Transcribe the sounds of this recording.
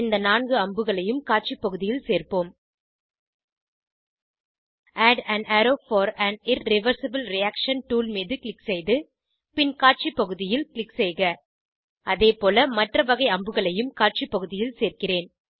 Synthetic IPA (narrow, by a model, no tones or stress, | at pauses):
ɪnd̪ɐnaːnɡɯɐmbɯɣɐɭɐjɯmkaːʈ̚t͡ʃipːɐɣɯðɪjɪlseːrpoːm | ʔaːɖɐnaːɾoːfɐːɾɐnɪɾːɪʋɐɾsɐbɪlɾɪjaːkʂɐnʈuːlmiːðɯkɭɪksɛɪðɯ | pɪnkaːʈ̚t͡ʃipːɐɣɯðɪjɪlkɪɭɪksɛɪɣɐ | ʔɐðeːpoːlɐmɐʈrɐʋɐɣɐɪɐmbɯɣɐɭɐjɯmkaːʈ̚t͡ʃipːɐɣɯðɪjɪlseːrkɪreːn